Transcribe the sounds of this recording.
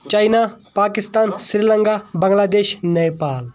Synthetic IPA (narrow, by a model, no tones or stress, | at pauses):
t͡ʃaːinapaːkɪst̪aːnsɾiːləŋkaːbɐ̃ŋɡlaːd̪eːʃnepaːl